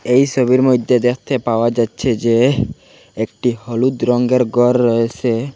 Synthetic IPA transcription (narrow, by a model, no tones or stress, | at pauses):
ejʃoβiɾmod̪ʱːed̪ek̚ʰt̪epaoad͡ʒatːɕʰed͡ʒe | ek̚ʈihɔlud̪ɾɔŋɡeɾɡɔɾːɔet͡ʃʰe